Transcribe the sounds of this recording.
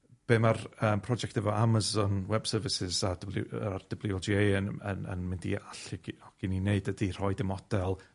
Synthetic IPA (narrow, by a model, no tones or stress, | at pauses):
b̥eːmarəːmpʰrɔd͡ʒɛktɛvɔamazɔnwɛb̥səːvɪsɪzaard̥əblˠɪɔlˠd͡ʒiejənə̰nə̰nmɪndḭaɬɪɡɔɡ̥ɪnineɨdədir̥ɔɨdɛmɔd̥ɛlˠ